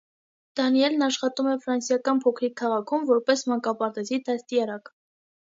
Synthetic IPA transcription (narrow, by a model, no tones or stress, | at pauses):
d̪̥ɑnijɛlnɑʃχɑt̪umɛfɾɑnsjɑkɑnpʰɔkʰɾikʰːɑʁɑkʰumvɔɾpɛsmɑŋkɑpɑɾt̪ɛzid̪ʰɛst̪ijɑɾɑk